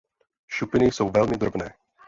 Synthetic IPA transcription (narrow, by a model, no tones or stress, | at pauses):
ʃupɪnɪjso̞wvɛlmɪd̪ɾobnɛː